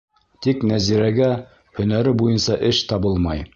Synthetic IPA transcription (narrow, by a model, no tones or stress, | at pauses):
t̪iknæziɾæɡæ | hɵ̆næɾɘbujɤnsɑʔɘʃt̪ɑbɤlˠmɑj